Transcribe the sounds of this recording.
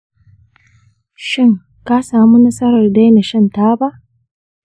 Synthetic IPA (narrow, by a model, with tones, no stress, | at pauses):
ʃɪ˦ŋ | ka˦saː˨mu˦nɐ˦sʼɐ˦ɾɐ˨rda˦jna˨ʃɐ˦ntaː˦ba˦ʔ